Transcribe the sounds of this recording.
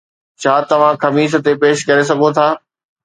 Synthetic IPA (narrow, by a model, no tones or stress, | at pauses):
t͡ɕʰaːt̪ɐʋ̤ãxɐmiːʃ̬ə̆t̪epeːʃkɐɾes̬ɐɡʱõt̪ʰaː